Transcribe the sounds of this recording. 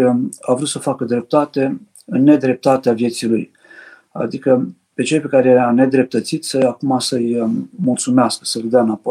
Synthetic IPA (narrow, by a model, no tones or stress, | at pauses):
avɾut̪səfakəd̪ɾe̞p̚t̪at̪e̞ | ɨnːe̞d̪ɾe̞p̚t̪at̪eavje̞t̪siluj | a̰d̪ikə | pe̞t͡ʃe̞lpe̞kaɾejeane̞d̪ɾe̞p̚t̪ət̪sit̪səakumasəjmult̪sumeaskə̥səlʲd̪eanapo